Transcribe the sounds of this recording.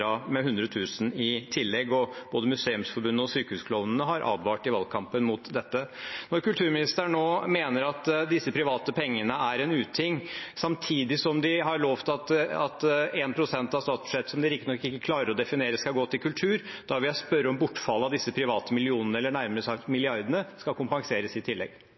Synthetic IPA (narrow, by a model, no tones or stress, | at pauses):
ɑmɛɦʉnd̪ɾɔt̪ʰʉːsənɪt̪ʰɪlːɛɡːɔb̥oːd̪əmʉseːʉmsfɔɾbʉnːəɔsyːkəʉːskʰlɔʋnənəɦɑɾʔɑ̰ːbʋɑːʈɪʋɑlkʰɑmpənmʊt̪d̪ɛt̪ːənɔɾkʉlt̪ʰʉːɾmɪnɪst̪əɳoːmeːnəɾɑt̪d̪ɪsːəpʰɾɪʋɑːt̪əpʰɛŋːənəæɾɛnʉːt̪ʰɪŋsɑmt̪ʰiːd̪ɪsɔmd̪ɪɦɑɾɭoːʋt̪ʰɪɑt̪ɑt̪eːnpʰɾʊsɛnt̪ɑʋst̪ɑːt̪sb̥ʉ̥ʂɛt̪ːsɔmd̪ɪɾɪk̚t̪ɪnɔkːɪkːəkʰlɑːɾəɾɔd̪ɛfɪneːɾəsskɑlɡoːt̪ɪlkʉlt̪ʰʉːɾd̪̥ɑʋɪjæɪspœɾːəɔmbʊʈːfɑlːəɑd̪ɪsːəpʰɾɪʋɑːt̪əmɪlɪuːnənəɛlːəɳæɾməɾəsɑkmɪlɪɑɾd̪ənəskɑlkʰʊmpɑŋseːɾəsɪt̪ʰɪlːɛ̰ɡ